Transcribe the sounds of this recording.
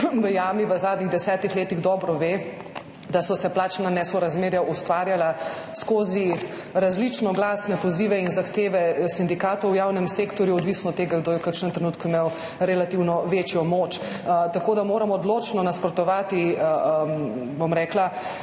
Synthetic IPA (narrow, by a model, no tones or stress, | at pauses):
ʋəjamiʋəzaːd̪niɣd̪ɛsɛːt̪ixleːt̪iɣd̪ɔːbɾɔʋe | d̪asɔsɛplaːt͡ʃnanɛːsɔɾazmeːɾjaʔust̪ʋaːɾjala | skoːzi | ɾazlit͡ʃnɔɡlaːsnɛpɔziːʋɛinzaxt̪eːʋɛsind̪ikaːt̪ɔwjaːwnɛmsekt̪ɔɾjuɔd̪ʋisnɔt̪ːeːɡaɡd̪oːjɛwkəɾkʃnɛmt̪ɾɛnuːt̪kuimew | ɾɛlat̪iwnɔʋet͡ʃjɔmot͡ʃ | t̪akoːd̪amoːɾamɔːd̪loːt͡ʃnɔnaspɾɔt̪ɔʋaːt̪i | bomɾɛːkla